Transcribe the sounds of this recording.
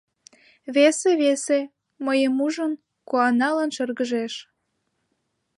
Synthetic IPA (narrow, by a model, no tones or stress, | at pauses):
βeseβese | məjəmuʒən | koɑnɑlənʃərɣəʒeʃ